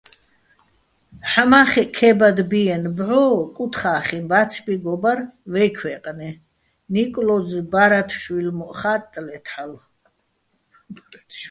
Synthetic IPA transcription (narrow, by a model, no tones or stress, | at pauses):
ħamaχɛkʰɛbad̪biɛnbʕɔːkʼut̪ʰχaːχimbat̪t͡sʰbiɡɔbaɾvɛkʰwɛqʼnɛ | nikʼlɔzbaɾat̪ʰʃwilmɔʔχat̪ʼːlɛt̪ʰal | t̪ʰ